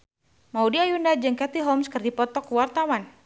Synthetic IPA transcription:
maudiajundad͡ʒɨŋkat̪iɦɔmskɨrdipɔt̪ɔkwart̪awan

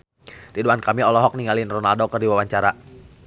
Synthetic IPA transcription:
ɾiduankamiɔlɔɦɔk̚niŋalɪnrɔnaldɔkɨrdiwawaɲt͡ʃaɾa

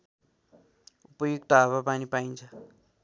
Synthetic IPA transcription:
upojikt̪aβapanipaind͡ʒa

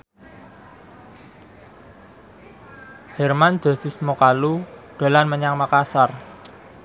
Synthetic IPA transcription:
hɛrmand̪̥a̤sɪsmokaluɖ̥o̤lanməɲaŋmakasar

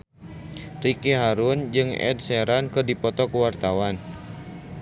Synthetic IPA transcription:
rikiɦaɾund͡ʒɨŋɛ̰d̚sɛɾankɨrdipɔt̪ɔkuwart̪awan

